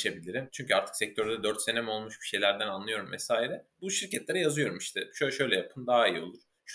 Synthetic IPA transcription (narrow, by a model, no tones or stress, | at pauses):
ebilʲiɾimt͡ʃʰyɲcʰyaɾt̪ʰɯ̥ksɛc̚t̪ʰøɾd̪ɛd̪øɾt̪senemo̞lˠmuʃbi̥ʃe̞jlʲæɾd̪ænanlˠɯjo̞ɾumvɛsaːiɾɛbuʃiɾcɛt̪lʲeɾɛjazɯjo̞ɾumiʃt̪ʰɛʃuʃø̞jlʲɛjapʰɯnd̪aɦaijo̞̰lˠuɾ̥ | ʃ